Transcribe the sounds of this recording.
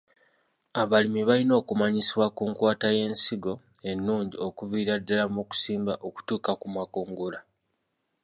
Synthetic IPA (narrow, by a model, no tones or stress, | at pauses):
aβalimiβalino̞ːkumaɲisiwakuŋkwaːtaje̞ːnsiɡo̞ | e̞nːuːɲɟio̞kuviːɾadːalamuku̥siːmbaʔo̞ku̥tuːkakumakoːŋɡola